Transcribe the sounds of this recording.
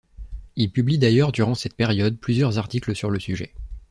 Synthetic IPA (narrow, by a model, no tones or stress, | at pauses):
ilpyblid̪ajœʁd̪yʁɑ̃sɛt̪̚peʁjɔd̪̚plyzjœʁzaʁt̪ikləsyʁləsyʒɛ̰